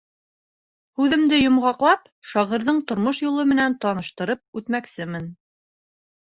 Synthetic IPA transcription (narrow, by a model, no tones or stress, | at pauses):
hʉðɘ̆md̪ɘjŏmʁɑqlˠɑp | ʃɑʁɤ̆ɾðɤɴt̪ŏɾmoʃjulˠɤmɘ̆nænt̪ɑnɤ̆ʃt̪ɤ̆ɾɤp̚ʉt̪mæksɘmɘn